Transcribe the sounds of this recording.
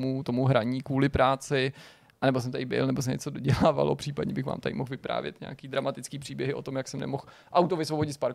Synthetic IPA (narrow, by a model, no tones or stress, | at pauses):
mut̪o̞muɦɾaɲiːkuːlɪpɾaːt͡sɪ | ʔanɛbo̞s̬ɛmt̪adɪbɪ̰lnɛbos̬ɛɲɛ̰t͡sodoɟɛlaːva̰lo̰pr̥iːpadɲɛbɪxva̰ːmt̪adɪ̰moxvɪpɾa̰ːvjɛ̰t̪ɲa̰akiːd̪ɾamat̪ɪt͡skiːpr̥iːbjɛɦɪʔo̞t̪o̞mjaksɛmnɛ̰mox | ʔawt̪ovɪsvo̞boɟɪt̪spaɾk